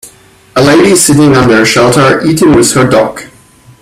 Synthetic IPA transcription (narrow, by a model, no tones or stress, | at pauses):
əleɪɾisɪɾɪ̃ŋə̃nðə˞ʃɛlˠtʰə˞ʔiɾɪ̃ŋwɪð̥hə˞dɔk